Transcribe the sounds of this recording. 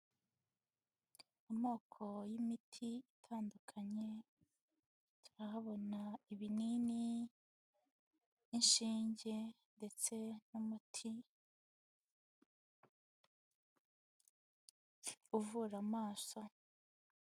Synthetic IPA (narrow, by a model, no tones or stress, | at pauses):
amoːkʰo̞jimitʰiitʰaːndukʰaɲe̞ | tu̥ɾahaβo̞naiβinini | nʃiːɲɟe̞ | nde̞t͡se̞numutʰi | uvuɾamaːso